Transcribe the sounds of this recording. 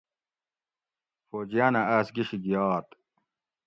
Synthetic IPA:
foːd͡ʑijaːnɐaːsɡiɕiɡijaːt̪

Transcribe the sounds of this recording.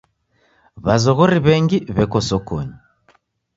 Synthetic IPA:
βazɔɣɔɾiβɛŋɡiβɛkɔsɔkɔ̰ɲi

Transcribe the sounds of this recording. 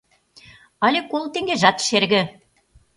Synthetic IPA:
ɑlʲekolˠt̪eŋɡeʒɑt̪ʃerɣɘ̆

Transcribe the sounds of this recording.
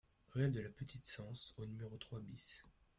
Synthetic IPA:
ʁeɛld̪əlapət̪ʰit̪sɑ̃sonymeʁot̪χwabis

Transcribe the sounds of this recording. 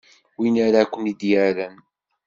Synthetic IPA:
winaɾakʷːənid̪jæɾæn

